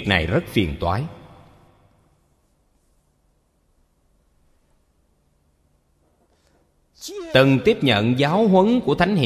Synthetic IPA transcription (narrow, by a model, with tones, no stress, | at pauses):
k̚na̰˨˩jzə˦˥t̚fi˨˩ənt̪waː˨˦j | t̪ɨ˨˩ŋt̪i˦˥əp̚ɲə̰˧˨nzaː˨˦wɦwə˨˦nku˧˩ət̪ʰa˨˦jŋ̟hḭ˧˨